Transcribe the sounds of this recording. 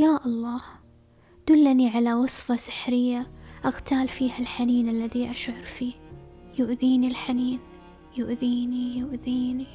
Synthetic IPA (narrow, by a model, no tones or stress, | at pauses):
jaːʔɑlˤːɑːh | d̪̥ʊlːniʕalawɑsˤfɑsɪ̥ħɾɪjːaʔaɣt̪ʰaːlfiːhalħaniːnalːaðiʔaʃʕʊɾfiːjʊʔðiːnilħaniːn | jʊʔðiːnijʊʔðiːni